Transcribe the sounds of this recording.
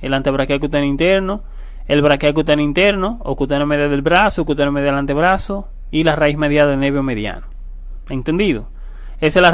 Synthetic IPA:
elant̪eβɾakeakut̪anint̪eɾno | elβɾakeak̬ut̪anint̪eɾnookut̪anomeðjaðelβɾasokut̪enomeðjaelant̪eβɾaso | ilaraismeðjaelneβeomeðja̰no | e̞nt̪end̪iðo | esela

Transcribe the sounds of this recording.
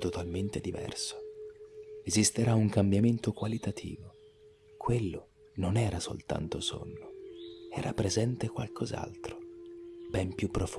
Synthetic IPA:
t̪ot̪alment̪ed̪ivɛ̰rso̥ | ezist̪eɾauŋkambjament̪okwalit̪at̪ʰḭːvo | kʰwelːo | nonɛːɾaso̰lt̪a̰nt̪oso̰nːoɛ̰ːɾa̰pɾezɛnt̪ekwa̰lkʰoza̰lt̪ɾobɛmpjupːɾof

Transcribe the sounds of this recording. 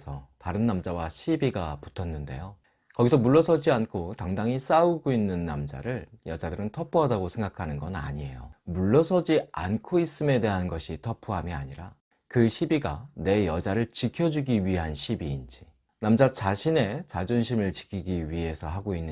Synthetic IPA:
sʰʌtaɾɯnːamd͡ʑawaɕʰibiɡapu̥tʰʌnːɯnde̞̰jo | kʌɡisʰʌmuɭːʌsʰʌd͡ʑiankʰotaŋdaŋis͈auɡoinːɯnːamd͡ʑa̰ɾɯɭjʌd͡ʑadɯɾɯntʰʌpʰuɦadaɡosʰe̞ŋɡakʰanɯnɡʌna̰ɲie̞jomuɭːʌsʰʌd͡ʑiankʰois͈ɯme̞de̞ɦanɡʌɕʰitʰʌpʰuɦamiaɲiɾa | kɯɕʰibiɡane̞jʌd͡ʑaɾɯɭt͡ɕikʰjʌd͡ʑuɡiɥiɦanɕʰibiːnd͡ʑi | namd͡ʑat͡ɕaɕʰine̞t͡ɕad͡ʑunɕʰimɯɭt͡ɕi̥kʰiɡiɥiɦe̞sʰʌɦaɡoinː

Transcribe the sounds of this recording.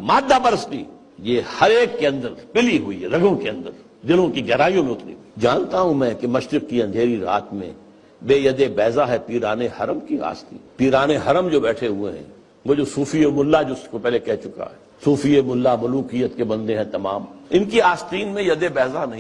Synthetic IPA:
maːd̪ːapɐɾəst̪ḭː | jeːhɐɾeːkːeɐ̃nd̪əɾpɪliɦʊḭɦɛɾɐɡõkeɐ̃nd̪əɾ | d̪ɪlõkiɡɛɦɾaːijõmẽʊt̪nḭd͡ʒaːnt̪aɦũmɛ̃ːkemɐʃɾɪkkiɐ̃nd̪ʱeːɾiɾa̰ːt̪mḛ̃ | beːjɐd̪ebɛːzaɦɛpiːɾaːnehɐɾəmkia̰ːst̪ḭːpiːɾaːneɦɐɾəmd͡ʒoːbɛːʈʰeɦueɦɛ̰̃ | ʋoːd͡ʒosuːfijemʊlːad͡ʒoskopɛːɦlekɛɦt͡ʃʊka̰ɦɛːsuːfijemʊlːamʊluːqijət̪kebɐ̃nd̪eɦɛ̃t̪ɐmaːmɪnkiaːst̪iːnmẽjɐd̪ebɛːzanɐɦĩ

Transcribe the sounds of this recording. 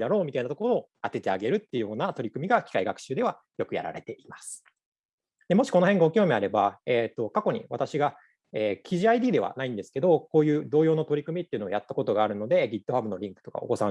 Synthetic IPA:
d̪aɾo̞ːmʲit̪ainat̪o̞ko̞ɾoː | at̪e̞t̪e̞aɡe̞ɾɯ̟t̪ːeiɯ̟jo̞ːnat̪o̞ɾʲikɯ̟mʲiɡakʲi̥kaiɡakɯ̥ɕɨːd̪e̞β̞a | jokɯ̟ja̰ɾa̰ɾe̞t̪e̞ʔimasɨ̥ | d̪e̞mo̞ɕi̥konoɦẽ̞ŋɡaokʲio̞ːmʲiaɾe̞baeːt̪ːo̞kako̞ɲ̟ḭβa̰t̪aɕiɡa | eːkʲʰiʑiaid̪ʲiːd̪e̞βa̰naĩnd̪e̞sɨ̥ke̞d̪o̞koːjɯ̟ːd̪o̞ːjo̞ːno̞t̪o̞ɾʲikɯ̟mʲit̪ːeiɯ̟noojat̪ːakot̪o̞ɡaːɾɯ̟no̞d̪e̞ɡʲit̪ːo̞habɯ̟no̞ɾʲĩŋkɯ̟̥t̪o̞ka̰o̰ko̞sã

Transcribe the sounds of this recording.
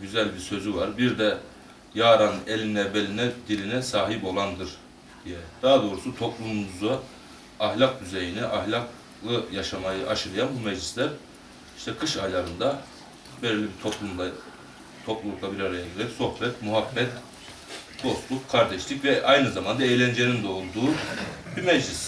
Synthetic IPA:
ɟyzælʲbiɾsø̞zyvaɾbiɾd̪ɛ | jaːɾanelʲinɛbelʲinɛd̪ilʲinɛsaːɦipo̞lˠand̪ɯɾ | d̪̥ijɛd̪̥aɦad̪o̞ɾusut̪ʰo̞plˠummuzaː | ɦlʲˠak̚d̪yze̞jiniʔahlʲak | lˠɯjaʃamajɯʔaʃɯɾɯjanbumɛʒlʲislʲæɾ | i̥ʃt̪ʰɛkʰɯʃajlˠaɾɯnd̪a | bɛllʲːibit̪ʰoplˠumˠa | t̪ʰo̞plˠulˠuklˠabiɾaɾajaɟileɾɛcso̞xbɛt̪muɦabːɛt̪ | b̪̥o̞st̪ˠukkʰaɾd̪ɛʃlʲicvɛʔajnɯzamand̪aejlʲænd͡ʒenind̪ɛolˠd̪uːbimɛd͡ʒlʲis

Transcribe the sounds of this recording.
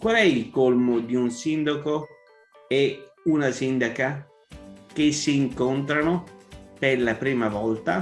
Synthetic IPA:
kwalɛilkolmod̪iunsind̪ako | eunasind̪aka | k̟esːiːŋkont̪ɾanoperlapɾiːmavɔlt̪a

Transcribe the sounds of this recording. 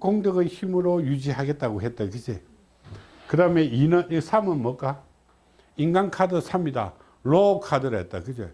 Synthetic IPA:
koŋdɯɡɯçimɯɾojud͡ʑiɦaɡe̞t̚t͈aɡoɦet̚t͈akɯd͡ʑe | kɯɾʌmeinɯisʰamɯnmʌk͈a | inɡankʰadɯsʰamida̰ | lokʰadɯɾajet͈̚a̰kɯd͡ʑḛ

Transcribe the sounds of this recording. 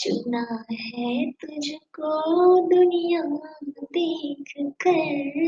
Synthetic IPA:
t͡ʃʊknaɦɛt̪ʊd͡ʒʱkod̪ʊnijaːmãd̪eːkʰkɐɾ

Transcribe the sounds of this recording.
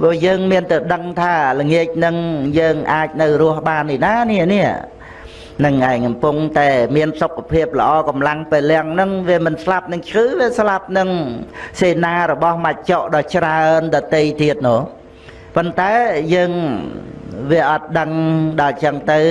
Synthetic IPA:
pɔːjəːŋmiənt̪ɨwɗəŋt̪ʰaːləŋiəc̚nɨŋjəːŋʔaːc̚nɨwrʊəhɓaːnːinaːniəniəʔ | nɨŋʔaɛkɑmpuŋt̪aɛmiənsokːapʰiəp̚lə̆ʔɑːkɑmlaŋpeːlːɛ̆əŋnɨŋʋiəmɨnslap̚nɨŋt͡ɕʰkɨːʋiəslap̚nɨŋseːnaːɾɔɓɑhmac̚t͡ɕoʔɗɑːt͡ɕraənɗɑːt̪ejt̪iət̪̚noː | pont̪aɛjəːŋ | ʋiəʔɑt̪̚ɗəŋɗɑːt͡ɕəŋt̪ɨw

